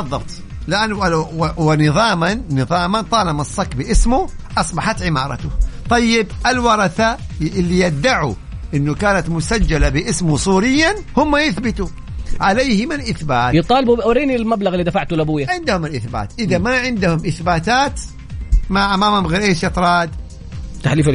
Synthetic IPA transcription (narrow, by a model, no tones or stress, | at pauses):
ɑðˤːɑbt̪ | lɪʔanːwɪnɨðˤɑːmanːɨðˤɑːmant̪ˤɑːlɑmɑsˤːɑkbɪʔɪsmʊʔɑsˤbɑħat̪ʕɪmɑːɾˤɑ̰t̪ʊt̪ˤɑjːɪbʔɪlwɑɾˤɑθaɪlːijad̪ːaʕu | ʔɪnːukaːnat̪mʊsad͡ʒːalabɪʔɪsmʊsˤuːɾɪjːan | hʊmːajɪθbɪt̪u | ʕaleːhɪmɪnʔɪθbaːt̪jɨt̪ˤːɑːlɪbuɾiːnilmablaɣɪlːid̪afaʕt̪ulabuːjaʕɪnd̪hʊmɪlʔɪθba̰ːt̪ʔɪðamaʕɪnd̪ʊhʊmʔɪθbaːt̪aːt̪ | maʕʔamaːmhʊmɣeːɾʔeːʃʔɑt̪ˤɾˤɑːd̪ | t̪aħliːf